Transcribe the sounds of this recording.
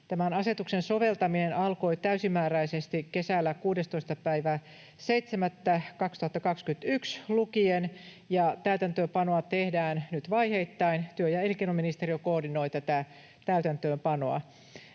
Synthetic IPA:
t̪æmænɑset̪uksensoʋelt̪ɑminenɑlko̞it̪æysimːæːræisest̪ikːesælːækuːdest̪oist̪ɑpæiʋæ | seijt̪semæt̪ːækɑkst̪uhɑt̪ːɑkɑkskyt̪ykslukien | jɑt̪æyt̪ænt̪øːmpɑnoɑt̪ehdæːnnyt̪ʋɑiheit̪ːɑint̪yøjɑelikenominist̪eriokoːrdinoit̪æt̪æ | t̪æyt̪ænt̪øːmpɑnoɑ̰

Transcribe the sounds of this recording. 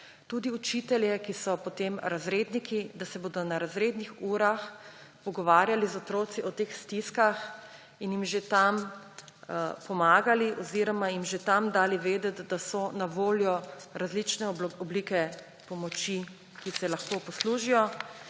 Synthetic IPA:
t̪ud̪iut͡ʃit̪ɛljɛkisɔpɔt̪emɾazɾeːd̪nikid̪asɛboːd̪ɔnaɾazɾeːd̪nixuːɾaxpɔɡɔʋaːɾjalizɔt̪ɾoːt̪siʔɔt̪eːxst̪iskax | injimʒet̪am | pɔmaːɡaliʔɔziɾɔmajimʒet̪amd̪aːliʋeːd̪ɛt̪d̪asɔnaʋoːljɔɾazlit͡ʃnɛɔblikɛ | pɔmɔt͡ʃi | kisɛlaxkoːpɔsluːʒijɔ

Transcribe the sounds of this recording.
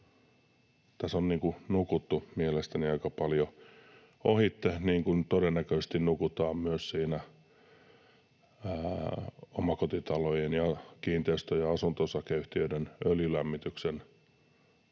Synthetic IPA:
t̪æsonniːŋkunukut̪ːumielest̪æniɑikɑpɑljo | ohit̪ːehniːŋkunt̪odenːækøse̥st̪innukut̪ɑːmmyøssiːnæ | omɑkot̪it̪ɑlojenjɑkiːnt̪eist̪øjɑɑsunt̪osɑkeyht̪iøidenøljylæmːit̪yksen

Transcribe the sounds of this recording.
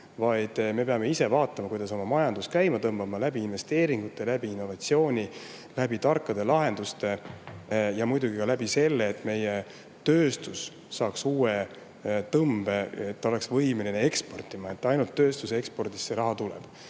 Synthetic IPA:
vɑjd̪̥me̞peɑme̞ise̞vɑːt̪ːˑɑmɑkujd̪̥ɑso̞mɑmɑjɑnd̪uskæjmɑt̪ɤmb̥ɑmɑlæbiːnve̞st̪e̞ːɾiŋɡ̥ut̪ːˑe̞læb̥iinːo̞vɑt̪sio̞ːnʲi | læb̥it̪ɑrkːˑɑd̪̥e̞lɑɦe̞nd̪̥ust̪e̞ | jɑmujd̪uɡikɑlæbise̞lːeːt̪ːˑme̞je̞ | t̪øːst̪usː | ɑːksuːe | t̪ɤmb̥e̞et̪ːo̞le̞ksvɤjmeline̞e̞kspo̞rt̪ːˑimɑe̞t̪ːˑɑjnult̪ːø̞ːst̪usee̞kspo̞rd̪i̥sːeɾɑɦɑt̪ulɛ̰b̥

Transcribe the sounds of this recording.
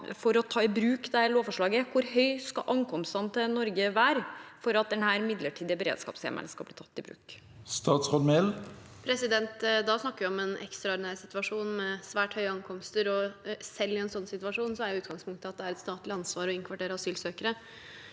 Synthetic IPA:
fɔɾɔt̪ʰɑːɪbɾʉːkd̪æɭoːfɔʂɭɑːɡəkʰʊɾɦœʏskɑ̰ʔɑŋkʰɔmst̪ɑnt̪ʰɛnɔɾɡəʋæːɾfɔɾɑt̪̚d̪ɛnhæːɾmɪd̪ləʈʰiːd̪ɪəbəɾḛːd̪skɑ̰ːpsḛːmʔə̰lskɑlbliːt̪ʰɑt̪ːɪbɾʉ̰ːk | st̪ɑːt̪sʁod̪mel | pʰɾɛsɪd̪ɛnt̪d̪ɑsnɑkːəʋɪɔmɛnɛ̰kst̪ɾɑɑɾnæsɪt̪ʋɑʂuːnmɛsʋæːʈhœʏəɑŋkʰɔmst̪əɾɔsɛlːɪɛnsɔnːsɪt̪ʋɑʂuːnsɔæɾjʊʉːt̪ɡɑŋspʰʊŋkt̪ʰɪlɑt̪d̪ɛæɾɛt̪st̪ɑːt̪lɪɑnsʋɑːɾɔɪŋkʰʋɑʈeːɾɑɑsyːlsøːkəɾə

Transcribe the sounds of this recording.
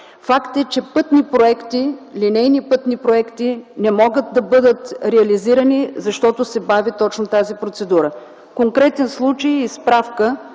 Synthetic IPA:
fakt̪ɛt͡ʃɛpɤt̪nipɾoɛkt̪ilinɛjnipɤt̪nipɾoɛkt̪inɛmɔɡət̪̚d̪ɐbɤd̪ət̪ɾɛɐliziɾənizɐʃt̪ɔt̪ʊsɛbavit̪ɔt͡ʃnot̪azipɾot̪sɛd̪uɾə | koŋkɾɛt̪ɛnslˠut͡ʃəjispɾafkə

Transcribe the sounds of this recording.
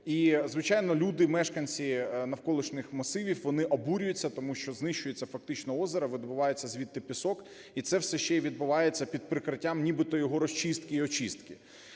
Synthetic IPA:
izʋɪt͡ʃajnɔlʲud̪ɪmɛʃkɐnʲt͡sʲinɐwkɔlˠɪʃnɪxmɐsɪʋʲiwʋɔnɪʔɔbuɾʲʊjʊt͡sʲːɐt̪ɔmuʃt͡ʃɔznɪʃt͡ʃʊjet͡sʲːɐfɐk̚t̪ɪt͡ʃnɔɔzeɾɐʋɪd̪bʊʋɑjet͡sʲːɐzʲʋʲit̪ːɪpʲɪsɔk | it̪sɛwsɛʃt͡ʃːɛʋʲid̪̚bʊʋɑjet͡sʲːɐpʲid̪̚pɾɪkɾɪtʲːamnʲibɪt̪ɔjɔɦɔɾɔsʲt͡ʃist̪kɪiɔt͡ʃist̪kɪ

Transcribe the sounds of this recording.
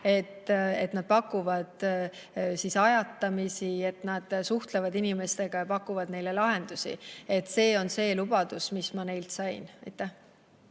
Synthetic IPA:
e̞t̪ːe̞t̪nɑd̪̥̚pɑkːˑuvɑd̪̥ | sisɑjɑt̪ːˑɑmisie̞t̪nɑd̪̥suht̪levɑd̪inime̞st̪e̞ɡ̥ɑjɑpɑkːˑuvɑd̪ne̞jle̞lɑɦe̞nd̪̥usḭe̞t̪ːˑse̞ːo̞nse̞ːlub̥ɑd̪̥usmismɑne̞jlt̪sɑjnɑjt̪ːˑæh

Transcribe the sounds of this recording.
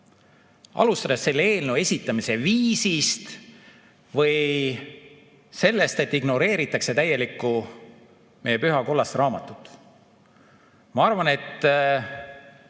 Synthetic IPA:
ʔɑ̰lust̪ɑd̪̥esːe̞lːe̞ːlnuwe̞sʲit̪ːˑɑmise̞viːsist̪ | vɤj | se̞lːe̞st̪e̞t̪ːiɡno̞ɾe̞ːɾit̪ːˑɑkse̞t̪æje̞likːˑu | me̞jepyɦɑko̞lːɑsrɑːmɑt̪ːˑut̪ːˑ | mɑɑrvɑne̞t̪ː

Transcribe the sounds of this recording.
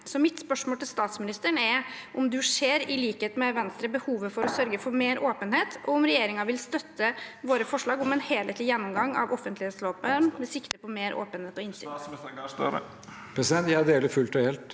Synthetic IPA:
sɔmɪt̪spœʂmoːlʈ̪ɪlst̪ɑːt̪smɪnɪst̪əɳɛɾʔʊmd̪ʉʂeːɾɪliːkəheːt̪mɛʋɛnst̪ɾəbəhuːʋəfɔɾɔsœɾɡəfɔɾmeːɾʔoːpənheːt̪ʔɔ̰ʊmɾɛjeːɾɪŋɑʋɪlst̪œt̪ʰːəʋoːɾəfɔʂɭɑːɡɔmɛnheːleːt̪lɪjɛnːʊmɡɑŋːɑ̰ʋʔɔfənt̪lɪheːt̪sløːpənmɛsɪkt̪əpɔmeːɾʔo̰ːpənheːt̪ɔɪnsɪ̰ | pʰɾɛsɪd̪ɛnt̪jææd̪eːləfʉlt̪ɔheːlt̪

